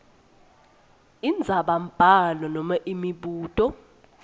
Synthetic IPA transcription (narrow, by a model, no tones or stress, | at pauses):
ind͡zʱaɓam̩b̥ʱalɔnɔmaʔimiɓuːtʼɔ